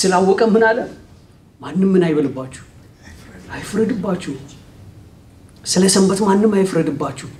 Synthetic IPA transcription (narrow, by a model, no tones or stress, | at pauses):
sɨlawːɔkʼəmːɨnalːəm | manːɨmːɨnajβəlɨbːat͡ʃːu̥h | ajfɨɾɨd̪ɨbːat͡ʃːuh | sɨləsəmbət̪manːɨmːajfɨɾɨd̪ɨbːat͡ʃːuh